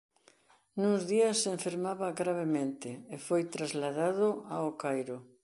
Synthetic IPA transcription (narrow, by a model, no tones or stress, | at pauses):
nuŋzðiɐsːeɱfeɾmaβaɣɾaβ̞emẽnt̪ɪːfojt̪ɾazlaðaðʊaokajɾʊ